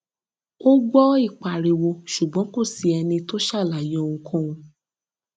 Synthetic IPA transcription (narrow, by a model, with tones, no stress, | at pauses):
o˦ɡ͡bɔ˦i˦˨k͡pa˨ɾe˨wo˧ʃu˨ɡ͡bɔ̃˨˦ko˦˨si˨ɛ˧nĩ˧to˦ʃa˦˨la˨jɔ̃˧˦˧ŋũ˧kʰɔ̃˦ũ˧